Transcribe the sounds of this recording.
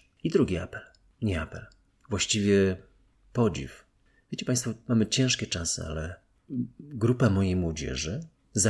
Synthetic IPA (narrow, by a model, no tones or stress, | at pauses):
id̪ɾuɡʲia̰pɛl | ɲɛapɛl | vwaɕt͡ɕivʲjɛ | pɔd͡ʑḭf | vʲjet͡ɕɛpaj̃st̪fɔmamɘt͡ɕɛ̃w̃ʂkʲɛt͡ʂasɨ̰a̰lɛ | ɡɾupamɔjejmwɔd͡ʑɛ̰ʐɘ | za